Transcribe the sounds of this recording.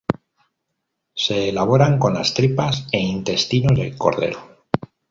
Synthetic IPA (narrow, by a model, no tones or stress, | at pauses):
se̞ːlaβ̞o̞ɾaŋko̞nlast̪ɾipase̞int̪e̞st̪ino̞zðelko̞̰ɾðe̞̰ɾo